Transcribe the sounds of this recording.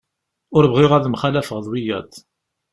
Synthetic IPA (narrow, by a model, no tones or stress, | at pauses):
ʊɾvʁɪʁæðmχælæfəʁðˤwijæt̪